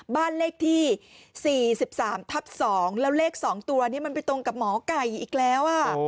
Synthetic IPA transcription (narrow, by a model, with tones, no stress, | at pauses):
baː˥˩nleː˥˩k̚t̪ʰiː˥˩siː˨˩si˨˩p̚saː˩˦mt̪ʰa˦˥p̚sɔː˩˦ŋlɛː˦˥wleː˥˩k̚sɔː˩˦ŋt̪u˧ni˦˥˩ma˧npa˧jt̪o˧ŋka˨˩p̚mɔː˩˦ka˨˩jʔiː˨˩k̚lɛː˦˥wʔa˧˩